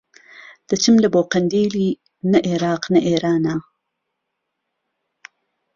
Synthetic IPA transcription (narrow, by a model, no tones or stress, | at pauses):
d̪̥ət͡ʃəmlɐboːqɐnd̪iːli | naʔeɾɑːqnɐʔeːɾaːna